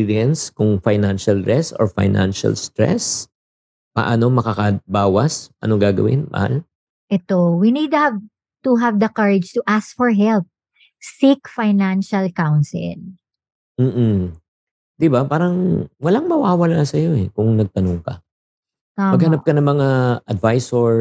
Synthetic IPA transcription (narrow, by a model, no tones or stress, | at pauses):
iɾiɛnskʊŋfajnanʃɐlɾɛst̪o̰ɹfa̰jna̰nʃɐ̰lst̪ɹɛ̰s | pɐ̰ʔano̞mɐkakɐbaːwɐsʔɐ̰noɡaːɡɐ̰wɪ̰nmɐ̰ha̰l | ʔɛt̪owinid̪̚uhav | t̪uɦavd̪ɐkɐɹɪd͡ʒt̪uʔask̚fɔɹɦɛlp̚ | sikfajnanʃɐlkawnsɪ̰l | m̩ːʔ̩ | d̪̥ɪbapaːɾɐŋwɐlaŋmɐwaːwɐlasɐjo̞ɛkʊŋnɐɡ̚t̪ɐnoŋkɐ | amɐɡmɡhɐnap̚kɐnɐŋmɐŋaʔɐd̪vajsoɹ